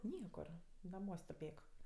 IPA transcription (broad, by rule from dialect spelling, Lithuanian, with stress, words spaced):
ˈnʲiɛkʊr nɐˈmuɔsʲ tʊˈpʲeːk